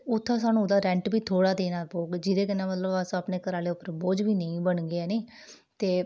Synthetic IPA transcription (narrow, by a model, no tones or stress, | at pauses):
ʊt̪ʰːãːs̬aːnũːd̪aːɾɛ̃ɳʈbiːt̪ʰoːɽaːd̪eːnaːpoːɡd͡ʒɪd̪eːkənaːmət̪ləbəsõːaːpneːkəɾaːleːʊpːəɾboːd͡ʒbiːnəĩːbəɳɡeɛːneː | t̪eː